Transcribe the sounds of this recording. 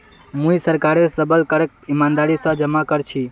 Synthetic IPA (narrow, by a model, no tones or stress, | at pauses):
mũisəɾkaɾesəbəlkəɾek̚t̪imand̪aɾisə̃d͡ʒəmakəɾt͡ʃʰi